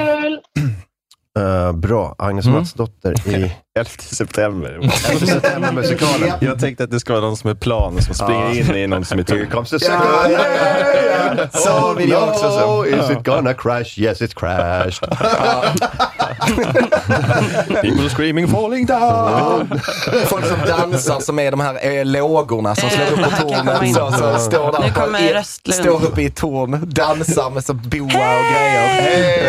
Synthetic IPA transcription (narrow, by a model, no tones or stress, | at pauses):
bɾɑːʔa̰ŋnəsmɑt̪sd̪ɔt̪ːə̰ɾɪɛlft̪ʰə̥sɛpt̪ʰɛmbə̰ɾsɛp̪ʰɛməbəsɪkʰɑːləjɑːt̪ʰɛŋkt̪əat̪̚d̪ɛskavɑːɾnɔnsɔmɛpʰlɑːnsɔmsɾɪŋːaɾɪnːɪnɔnsɔmɪt̪ʰkʰʌmsəɛɡɔ | ɪɔsɔsɔɪzɪɡ̥ɔnəkʰɹæʃjɛsɪtskʰɹæʃt | pʰiːpəl̩ˠəskɹĩːmɪ̃ŋfɔːlˠɪ̃ŋd̪aʊ | fɔlksɔmd̪ansaɾsɔmædɔmhæːɾɛleoːɡʊɾnasɔmsløːɡʊpːɔt̪ʰuːnəsɔsɔst̪oːɾdæɾɔ | st̪oːɾɵpːəɪt̪ʰuːɾnd̪ansəɾmɛsɔbuːaɡa